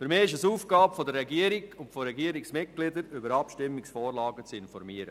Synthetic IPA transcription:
fʏɾmɪːɪʃ̬əsuːfɡ̥ɑːpfɔd̪əɾːɛɡiəɾiɡʊntfɔɾɛɡiəɾɪksmɪt̚ɡ̥lɪd̪əɾʏbəɾɑpʃtɪmːɪksfɔːɾlɑːɡət͡sɪnfɔɾmiəɾə̰

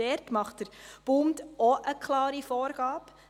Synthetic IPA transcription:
ɛɾtmɑχtdəɾb̥uːmt̪oʔəkʰlɑːɾifoːɾɡ̥ɑːp

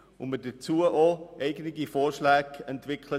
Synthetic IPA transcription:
ʊmədət͡suəʔoʔɛɪɡənɪɡifoːɾʃlæːɡɛntvɪkʰlə

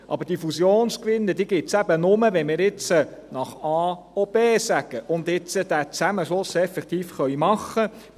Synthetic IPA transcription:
ʔɑ̰bəd̥ifusjoːnskʋɪnːədiːɡɪt̪sæbənʊməʋɛnmɪːɾɪt͡sə | nɑχɑː | ob̥eːsæɡ̥əʔʊnd̪ɪt͡səd̥̪æt͡sæməʃlʊsɛfɛkt̪iːfχœɥmɑχːə

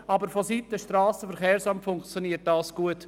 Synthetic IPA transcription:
ɑbəɾfɔsitːəʃtrɑːsəfɛɾχeːɾsɑmtfʊŋkt͡sjoɔniːət̚d̥ɑːsɡ̥uət

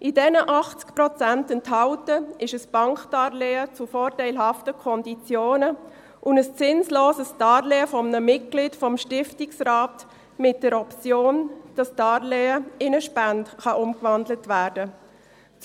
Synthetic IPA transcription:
ʔidɛnəʔɑχt͡skpɾɔt͡sæntəntɦɑʊtəɪʃəsb̥ɑŋkd̥ɑːɾleːət͡sufɔːɾtaɪlɦɑftəkʰɔndit͡sjoːnə | ʔʊnəst͡sɪnsloːsəsd̥ɑːɾleːəfɔmnəmɪt̚ɡ̥liːtfɔmʃtɪftɪksraːt | mɪt̚d̥ɛɾɔpt͡sjoːnd̥ɑsdɑːɾleːəɪnəʃpæntχɑʔʊmkvɑndlətvæːɾdə

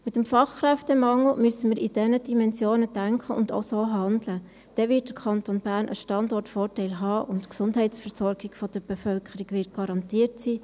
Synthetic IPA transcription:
mɪtəmfɑχkɾɛftɛmɑŋl̩myəsəmiɾid̥ɛnəd̥imɛnsjoːnəd̥æŋkʰəʊndo̰soːɦɑndlə | d̥ɛvɪːt̚d̥əɾkʰɑntonbæːɾnʔə̰ʃtɑndɔrtfɔːɾtɛɪlɦɑːʔʊntksʊndɦɛɪtsfəɾsɔɾɡiɡfɔd̥əɾb̥ɛfœlkʰχəɾiɡʋɪt̚ɡ̥ɑɾɑntiːəɾtsiː

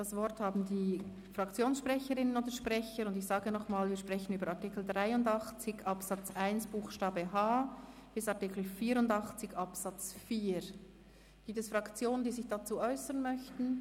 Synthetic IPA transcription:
d̥asv̥ɔɾthaːbn̩diː | fʁ̥ɑkt͡sjoːnsʃpʁ̥ɛçəɾɪnənoːdəʃpʁɛçəɾʊndɪçsaːɡənɔχmaːlviːɐʃpʁ̥ɛçən̩yːbəɾatikl̩dʁaɪʊndɑχt͡sɪçɑpsɑt͡sʔaɪnsb̥uːxʃtaːbəɦaːb̥ɪsɑʁtikl̩fiːɾʊndɑχt͡sɪçɑpsat͡sfiːɾ | ɡ̥iːp̚tɛsfʁɑkt͡sjoːnənd̥iːzɪçd̥at͡suːʔɔʏsənmœçtn̩

